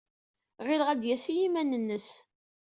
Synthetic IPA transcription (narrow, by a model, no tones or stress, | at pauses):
ʁɪlʁæd̪jæsijimænənːəs